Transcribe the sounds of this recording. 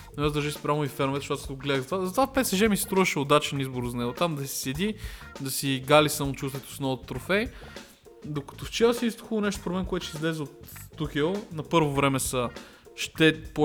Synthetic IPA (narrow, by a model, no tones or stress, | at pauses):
nɐnɛzd̪ɾʒɛspɾʲamʊifɛɾnvɛt̪ʃɔt̪soɡlɛd̪əɣzɐt̪vazɐt̪vafpɛt̪sɛʒɛmisɛ̥st̪ɾuvɐʃɛod̪at͡ʃɛnizboɾzɐnɛɡot̪amd̪ɐsi̥sɛd̪id̪ɐsiɡalisamot͡ʃust̪vɛt̪o̥snɔvot̪ːɾofɛj | d̪okɐ̥t̪oft͡ʃɛsiist̪o̥xulˠnɛʃt̪o̥pɾoblɛnkoat̪ʊʃizlɛzɛot̪ːuxɛnɐpɤɾvovɾɛmɛsɐ | ʃt̪ɛpo